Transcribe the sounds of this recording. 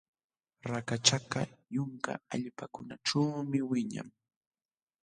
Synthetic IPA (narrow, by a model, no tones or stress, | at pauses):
ɾakat͡ʃakajʊŋka̰aʎpakʊnaʈ͡ʂaːmɪwɪɲa̰ŋ